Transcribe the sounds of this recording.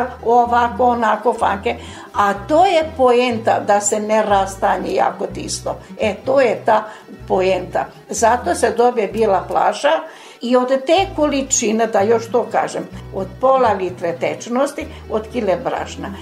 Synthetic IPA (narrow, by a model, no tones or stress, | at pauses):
oʋakoonakofa̰ŋke | at̪oːjepoent̪a̰d̪aseneɾast̪aɲeja̰ːkot̪ḭst̪o̰et̪oːjet̪aː | poent̪a̰ | zat̪oːsed̪objebilapla̰ːʒa | iod̪t̪eːkolit͡ʃined̪ajo̞ʃt̪oːka̰ːʒemod̪polalit̪ɾet̪et͡ʃnost̪i | od̪kilebɾa̰ʃna